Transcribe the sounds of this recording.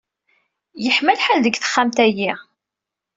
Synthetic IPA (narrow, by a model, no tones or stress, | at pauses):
jəħməlħalðəɡθə̥χːamt̪æji